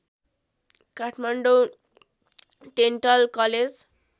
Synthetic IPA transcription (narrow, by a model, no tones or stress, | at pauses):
kaʈʰmaɳɖo | ɖeɳʈʌlkʌled͡z